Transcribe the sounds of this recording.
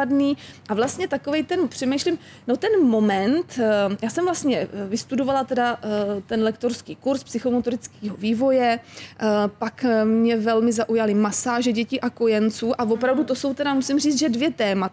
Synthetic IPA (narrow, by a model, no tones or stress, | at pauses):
adniːʔavlast̪ɲɛt̪ako̞vɛjt̪ɛnpr̝̥ɛmɛjʃlɪm | no̞t̪ɛnmo̞mɛnt̪jaːsɛmvlast̪ɲɛvɪst̪udovalat̪ɛdat̪ɛnlɛkt̪o̞ɾskiːkuɾspsɪxo̞mot̪oɾɪt͡skiːɦoviːvo̞jɛ | pakmɲɛvɛlmɪzaʔujalɪmasaːʒɛɟɛciːʔako̞jɛnt͡suːʔavo̞pɾavdut̪oso̞wt̪ɛdamusɪmriːt͡s̪ʒɛdvjɛt̪ɛːma